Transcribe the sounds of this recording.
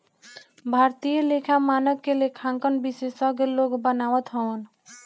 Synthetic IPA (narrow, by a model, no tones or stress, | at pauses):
bʱaɾt̪ijəlekʰamanəkkːelekʰãŋkənbisesʌɡeloɡbənawət̪ɦɔən